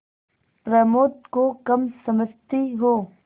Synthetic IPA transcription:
pɾɐmoːt̪kokɐmsɐməst̪iɦoː

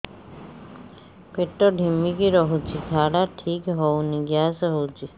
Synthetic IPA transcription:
peʈːɔɖʱimːikiɾɔɦut͡ʃʰit̪ʰaɽaʈʰikɦɔwniɡjasɦowt͡ʃʰi

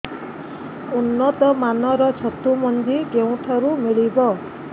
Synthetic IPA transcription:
unːɔt̪ɔmanɔɾɔt͡ʃʰɔt̪umɔnd̪iɡew̃ʈʰɔɾumiɭibɔ

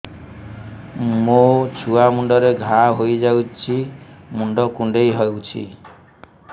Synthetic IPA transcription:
mot͡ʃʰuamuɳɖɔɾeɡʱãɦojd͡ʒawt͡ʃʰimuɳɖɔkuɳɖejɦɔewt͡ʃʰḭ

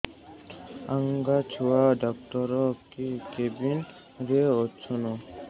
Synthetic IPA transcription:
aŋɡat͡ɕʰuaɖɔkʈɔɾɔkikebin | ɾeotːsʰono

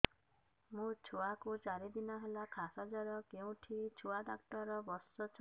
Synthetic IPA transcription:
mũt͡ʃʰuakut͡ʃaɾed̪inɔɦelakʰasad͡ʒaɾɔkeũʈʰit͡ʃʰuaɖakʈɔɾɔbɔsɔt͡ʃʰɔ

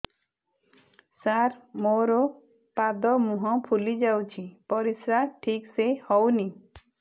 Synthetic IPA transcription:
saɾmoɾɔ | pad̪ɔmũɦɔ̃pʰulid͡ʒawt͡ʃʰipɔɾisɾaʈʰiksehɔwni

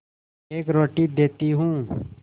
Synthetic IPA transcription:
eːkɾoːʈiːd̪eːt̪iɦũː

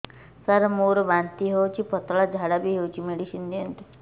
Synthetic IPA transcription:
saɾmoɾɔʋant̪iɦewt͡ʃʰipɔt̪ɭad͡ʒʱaɽabiɦewt͡ʃʰimeɽiʃind̪iənt̪

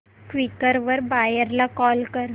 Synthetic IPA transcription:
kʋikəɾʋəɾbajəɾlakɔlkəɾ

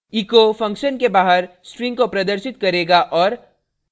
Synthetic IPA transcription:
iːkofɐ̃ŋkʃənkebaːɦəɾ | sʈɾɪ̃ŋɡkopɾɐd̪əɾʃɪt̪kɐɾeːɡaʔɔːɾ

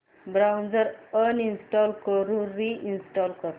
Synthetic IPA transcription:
bɾawnd͡zəɾəninsʈɔlkəɾũɾːiʔinsʈɔlkəɾ

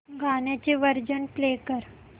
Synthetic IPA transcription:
ɡanjat͡ɕeʋəɾd͡ʑənplekəɾ

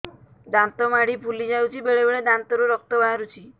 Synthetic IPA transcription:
d̪ant̪ɔmaɽ̤ipʰulid͡ʒawt͡ʃʰibeɽebeɭed̪ant̪ɔɾuɾɔk̚t̪ɔbʱaaɾut͡ʃʰi

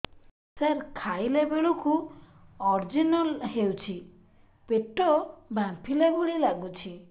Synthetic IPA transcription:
saɾkʰajlebeɭuku | ɔɾd͡ʒinɔlɦewt͡ʃʰi | peʈɔbãmpʰilebuɭilaɡut͡ʃʰi

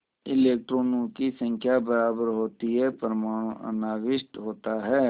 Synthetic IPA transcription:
ɪleːk̚ʈɾoːnõkisə̃ŋkʰjabəɾaːbəɾɦoːt̪iɦɛpəɾmaːɽ̃ũʔə̰naːʋɪʃʈ̪ɦoːt̪aɦɛː

